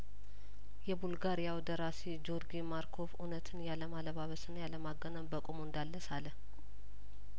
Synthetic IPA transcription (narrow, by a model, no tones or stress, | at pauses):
jɛbulɡaɾijawd̪əɾased͡ʒo̞ɾɡimaɾkʰo̞funət̪ʰɨnjaləmaləβaβəsɨnjaləmaɡːənəbəkʼomoɨnd̪alːəsaləh